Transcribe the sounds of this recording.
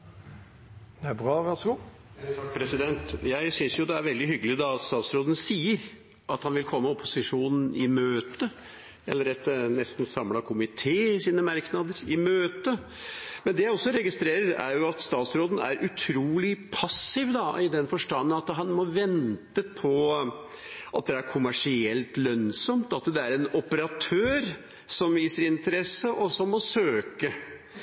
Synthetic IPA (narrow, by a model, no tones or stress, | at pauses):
d̪bʁɑːʋæsəɡu | kpʰɾɛsɪd̪ɛnt̪jæɪsʏnsjʊd̪ɛæɾʋɛld̪ɪɦʏɡəlɪd̪ɑst̪ɑːt̪sɾoːd̪ən̩siːəɾ | ʔɑt̪hɑnʋɪlkʰɔmːəɔpʊsɪʂuːnn̩ʔɪmøːt̪ə | ɛlːəɾɛt̪nɛst̪n̩sɑmlɑkʰʊmɪt̪ʰeːɪsiːnəmɑɾknɑd̪əɾɪmøːt̪ə | mɛnd̪ɛjæɪɔsːɔɾɛɡɪst̪ɾeːɾəɾæ̰ɾjʊɑt̪st̪ɑːt̪sɾoːd̪n̩æ̰ɾʔʉt̪ʰɾuːlɪpʰɑsɪʋd̪ɑɪd̪ɛnfɔʂʈɑnːənɑt̪ɦɑnmɔʋɛnt̪əpʰɔ | ʔɑt̪̚d̪ɛæɾkʰʊmæʂɪɛlt̪lœnsɔmt̪ɑt̪d̪ɛæɾɛnɔpəɾɑt̪ʰøːɾ | sɔmʋiːsəɾɪnt̪əɾɛsəʔɔsɔmːɔsøːkə